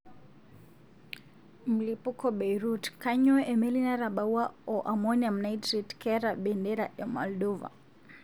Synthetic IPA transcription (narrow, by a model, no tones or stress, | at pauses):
m̩lipukɔɓɛjɾutkaɲɔʔɛmɛlinaɾaɓauwaɔʔamɔniam̩naitɾitkɛɾaɓɛndɛɾaʔɛmɔldɔva̰